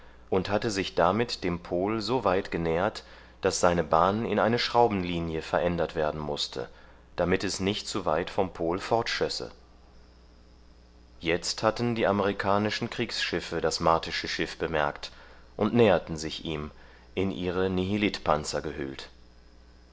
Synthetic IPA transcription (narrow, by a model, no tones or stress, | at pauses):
ʔʊnthatəzɪçd̥amɪtd̥eːmpʰoːlzoːvaɪtɡ̥ənɛːɐt | d̥asz̥aɪnəbaːnɪ̰nʔaɪnəʃʁ̥aʊbn̩liːnjəfɛɐʔɛndɐtv̥eːɐdn̩mʊstʰə̰ | d̥amɪtɛsnɪçtt͡suva̰ɪtfɔmpʰoːlfɔɐtʃɔsə̰ | jɛt͡sthatn̩diːʔaməʁikʰaːnɪʃn̩kʁ̥iːksʃɪfədasmaɐtʰɪʃəʃɪfb̥əmɛɐkt | ʔʊntnɛːɐtn̩zɪçʔiːm | ʔɪnʔiːʁəniɦilɪtpʰant͡sɐɡəɦʏ̰lt